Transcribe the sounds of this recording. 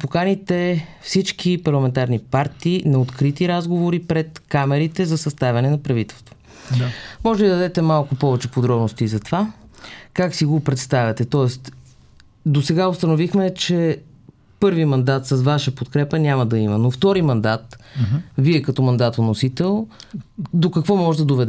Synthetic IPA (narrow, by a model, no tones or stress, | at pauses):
pokanit̪ɛfsit͡ʃk̟ipɐɾlˠɐmɛnt̪aɾnipaɾt̪iːnɐot̪kɾit̪iɾazɡovoɾipɾɛt̪kamɛɾit̪ɛzɐsɐst̪avʲɐnɛnɐpɾɐvit̪ɛlˠst̪vo̥ | mɔʒɛlid̪əd̪ɛt̪ɛmalˠkʊpɔvɛt͡ʃɛpod̪ɾɔbnost̪izɐt̪ovakaksiɡopɾɛt̪st̪avʲɐt̪ɛt̪ɔɛst̪ | d̪osɛɡaost̪ɐnovixmɛt͡ʃɛ | pɤɾvimɐnd̪at̪səzvaʃəpot̪kɾɛpənʲaməd̪ɐimənoft̪ɔɾimɐnd̪at̪viɛkɐt̪ɔmɐnd̪at̪onːosit̪ɛlˠ | d̪okɐkvɔmɔʒɛd̪ɐd̪ovɛd̪ɛ